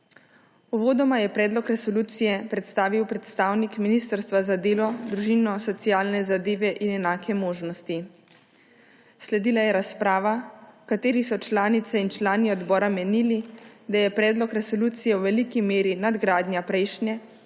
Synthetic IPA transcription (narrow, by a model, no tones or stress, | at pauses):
uʋoːd̪ɔmajɛpɾɛːd̪lɔkɾɛsɔluːt̪sijɛpɾɛt̪st̪aːʋiwpɾɛt̪st̪aːwnikminiːst̪əɾst̪ʋazad̪eːlɔd̪ɾuʒinɔsɔt̪sijaːlnɛzad̪eːʋɛʔinɛnaːkʰɛmoːʒnɔst̪i | slɛd̪iːlajɛɾaspɾaːʋakat̪eːɾisɔt͡ʃlaːnit̪sɛint͡ʃlaːniɔd̪bɔːɾamɛnilid̪ajɛpɾɛːd̪lɔkɾɛsɔluːt̪sijɛwʋɛlikimeːɾinad̪ɡɾaːd̪nʲjapɾɛjʃnjɛ